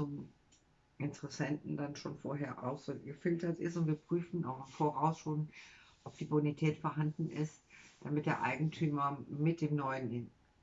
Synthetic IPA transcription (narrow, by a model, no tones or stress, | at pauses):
t͡sʊm | ʔɪntəʁɛsɛntn̩danʃoːnfoːɐɦeːɐʔa̰ʊxz̥oːɡəfɪltɐtɪstʊntv̥iːɐpʁ̥yːfn̩ʔa̰ʊxɪmfoːʁaʊsʃoːnʔɔp̚d̥iːbʊnitʰɛːtfoːɐɦandn̩ɪstd̥amɪt̚d̥eːɐʔa̰ɪɡŋ̩tʰyːmɐmɪt̚d̥eːmnɔʏənɪn